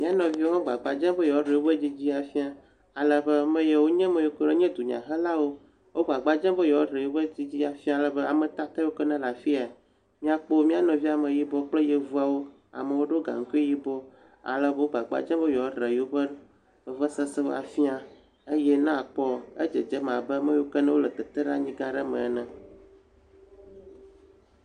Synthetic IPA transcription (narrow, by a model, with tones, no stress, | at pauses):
mĩ˦a˦nɔ̃˨vi˦o˦ɦɔ̃˦ɡ͡ba̰˨ɡ͡ba˨d͡ʒɛ̃˦bə˦jɔ˨˦ɖɾe˨wo˦bə˦d͡ʑi˦d͡ʑi˦a˨fi˦a˨ | a˨lə˨bə˦mə̃˦je˨wo˦ɲɛ̃˦mɛ̃˦jo˦ke˦le˦ɲɛ̃˦d̪u˨ɲã̰˨ɦə˦la˦wo˦ | wo˦ɡ͡ba˨ɡ͡ba˨d͡ʒɛ̃˦bə˦jɔ˨˦ɖɾe˨jo˦bə˦d͡ʑi˦d͡ʑi˦a˨fĩ˦a˨lə˨bə˦a˨mə̃˨t̪a˦t̪a˦wo˦kɛ˦nã˦la˨fi˦a˨ | mĩ˦a˨k͡po˦mĩ˦a˨nɔ̃˨vi˦a˨mə̃˨ji˦bɔ˦k͡plə˦je˨vu˦a˨wo˦ | a̰˨mə˨wo˦ɖo˦ɡa̰˨ŋ̩˦ku˦e˦ji˦bɔ˦ | a̰˨lə˦bə˦o˦ɡ͡ba˨ɡ͡ba̰˦d͡ʒɛ̃˦və˦jɔ˨˦ɖɾɛ˨ji˨wo˦bə˦˨ | və˦sɛ˦sɛ˦wo̰˦a˨fi˦a˨ | e˦jɛ˦nã˦˨k͡pɔ˦e˦d͡ʒə˨d͡ʒɛ˦mã˨bə˦mə̃˦jo˦kə˦nɛ̃˦wo˦lə˨t̪ɛ˨t̪ɛ˦ɖa˦ɲĩ˦ɡã˦ɖɛ˦mɛ̰̃˨nɛ̃˨